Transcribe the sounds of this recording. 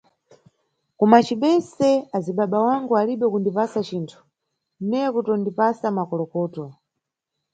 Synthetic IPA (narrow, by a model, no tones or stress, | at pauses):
kumat͡ʃiɓɛsɛaziɓaɓawaŋɡualiɓɛkundipasat͡ʃiːntʰu̥ | nɛkutɔndipasamakɔlɔkɔːtɔ